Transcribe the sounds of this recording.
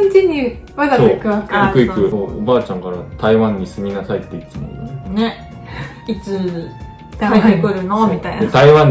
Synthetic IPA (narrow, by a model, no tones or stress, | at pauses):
ɲt͡ɕiɲ̟i | mad̪asoeːkɯβakikɯ̟ikɯ̟oːobaːt͡ɕãŋkaɾat̪ʰaiβãɲ̟ːisɨmʲinasait̪ːeit͡sɨno̰ḭo̰nene | it͡sɨ | d̪̥ameekɯ̟ɾɯ̟nomʲit̪ainet̪aiβãɲ